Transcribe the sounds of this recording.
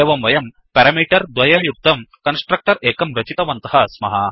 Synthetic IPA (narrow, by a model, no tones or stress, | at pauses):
eːʋɐmʋɐjɐm | pɛɾɐmiːʈɐɾd̪ʋɐjɐjuk̚t̪ɐmkɐnsʈɾɐk̚ʈɐɾeːkɐmɾɐt͡ʃit̪ɐʋɐnt̪ɐɦɐsmɐɦa